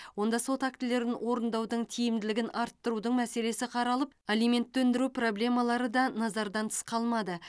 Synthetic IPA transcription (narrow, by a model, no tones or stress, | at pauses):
wo̞nd̪ɑso̞t̪ak̚t̪ɪle̞ɾɪnwo̞ɾənd̪ɑwd̪əɴt̪ʰijɪmd̪ɪlɪɡʲɪnʔɑɾt̪ːəɾud̪əɴmæse̞le̞sɪqʰɑɾɑlˠəp̚alijme̞nt̪ːɵnd̪ɪɾupro̞ble̞mɑlˠɑɾəd̪ɑnɑzɑɾd̪ɑnt̪ʰə̥sqɑlˠmɑd̪ə